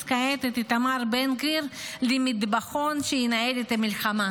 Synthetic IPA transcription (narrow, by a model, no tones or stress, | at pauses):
kaet̪et̪it̪amaɾbenɡiɾlimid̪baχonʃejinaelet̪amilxama